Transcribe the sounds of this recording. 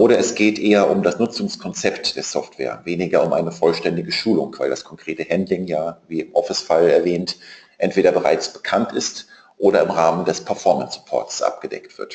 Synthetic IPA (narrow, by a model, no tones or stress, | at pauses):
ʔoːɾɐɛsɡ̥eːtʔeːɐʔʊmdasnʊt͡sʊŋskʰɔnt͡sɛptd̥eːɐsɔftv̥ɛ̰ːɐveːnɪɡɐʊmʔa̰ɪnəfɔlʃtɛndɪɡəʃuːlʊŋv̥aɪldaskʰɔŋkʁ̥eːtəhɛndlɪŋjaːviːɪmʔɔfɪsfalɛɐvɛːntʔɛntv̥eːɾɐbəʁa̰ɪt͡sb̥ə̥kʰantɪst | ʔoːɾɐɪmʁaːməndɛspʰɛɐfɔɐmənsʁ̥ɪpʰɔ̰ɐtsʔa̰p̚ɡ̥əd̥ɛ̰ktv̥ɪ̰ɐt